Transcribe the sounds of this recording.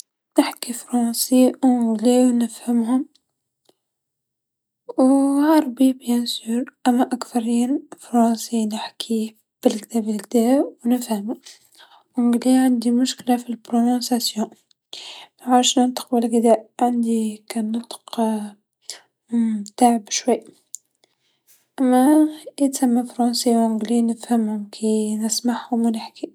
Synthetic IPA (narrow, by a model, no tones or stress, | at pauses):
nɪħkifɾɑ̃siɡliwnəfhamhʊm | whɑɾˤbibjænsuːɾʔæmːæʔakθɑɾiːnfɾɑ̃ːsinɪħkʰi | b̥ɪlɡd̪æːbɪlɡ̚d̪æːwnɪfhamu | ʕʊ̃ɡliʕand̪imʊʃklafilbɾonõsasjõ | mæʕaːɾʃnənt̪ə̥q̚bɪlɡɪd̪æʔʕand̪ikænːɑt̪ˤq | mt̪aʕəbʃwiːʔ | ʔæmːæʔit̪samːafɾˤɑnsiwʕʊ̃ɡlinɪfhæmhʊmkʰinəsmaħhʊmænɪħki